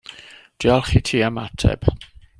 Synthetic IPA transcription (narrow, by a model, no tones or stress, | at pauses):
d̥jalˠχitʰiːamatʰɛ̰b̥